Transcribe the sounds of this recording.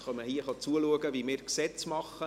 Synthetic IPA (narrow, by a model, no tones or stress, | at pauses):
χɑməhiːəχɑt͡suəluəɡəvimɪːɾksɛt͡smɑχə